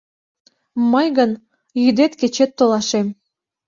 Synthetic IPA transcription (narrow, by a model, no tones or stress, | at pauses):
məjɣən | jyd̪et̪ket͡ɕet̪ːolɑʃem